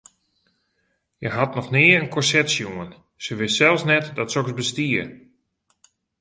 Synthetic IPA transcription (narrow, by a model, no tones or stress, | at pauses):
jəɦatnɔxnɪəənkʰɔrsɛtsjuən | səʋɪstsɛlˠsnɛtdɔtsoksbəstiər